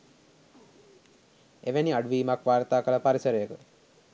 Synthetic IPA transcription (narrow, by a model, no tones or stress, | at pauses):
eʋeniɐɖuʋiːmakʋaːɾt̪aːkələpaɾisəɾəjəkə